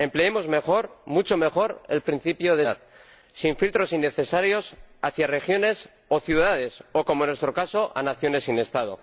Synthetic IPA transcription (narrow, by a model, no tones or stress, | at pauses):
e̞mpleemo̞zme̞xo̞ɾmut͡ʃo̞me̞xo̞ɾe̞lpɾin̟θipjoðeð | siɱfilt̪ɾo̞sinːe̞θe̞saɾjo̞saθjare̞xjo̞ne̞s | oθjuðaðe̞so̞ko̞moenwe̞st̪ɾo̞kaso̞ʔa̰naθjo̞ne̞sine̞st̪að̞o̞̰